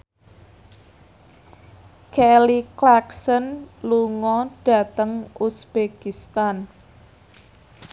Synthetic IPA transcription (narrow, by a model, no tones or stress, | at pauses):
kɛliklaksənluŋɔɖ̥a̤t̪əŋusb̥ekist̪an